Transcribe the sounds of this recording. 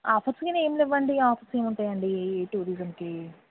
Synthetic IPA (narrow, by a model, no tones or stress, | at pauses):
aːfiɾskineːmliʋːɐɳɖiaːpʰiɾseːmuɳʈaːjɐɳɖiʈuːɾizɐmki